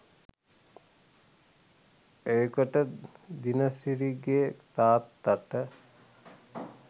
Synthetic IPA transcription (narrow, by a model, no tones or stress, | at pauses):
ejkəʈəd̪inəsiɾiɡeːt̪aːt̪ːaʈə